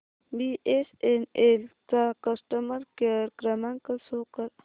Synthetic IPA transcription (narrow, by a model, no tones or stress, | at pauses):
biʔesenelt͡sakɐsʈəməɾkeɾɡɾɐmaŋkəsoːkəɾ